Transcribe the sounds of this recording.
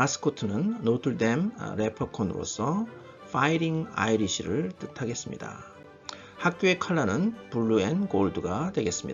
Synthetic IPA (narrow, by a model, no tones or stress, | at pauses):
mas͈ʰɯ̥kʰotʰɯnɯnːotʰɯɭde̞mɾe̞pʰʌkʰonɯɾo̰sʰʌ | fʰaiɾiŋa̰iɾiɕʰiɾɯɭt͈ɯtʰaɡe̞s͈ɯmɲḭda̰ | hak̚k͈joe̞kʰaɭːanɯnpuɭːue̞nkoɭduɡadwe̞ɡe̞s͈ɯmɲid